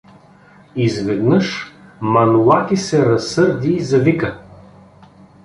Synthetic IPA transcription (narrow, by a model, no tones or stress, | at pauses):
izvɛd̪nəʃmɐnulat̪isɛɾɐsːɤɾd̪iːzɐvikə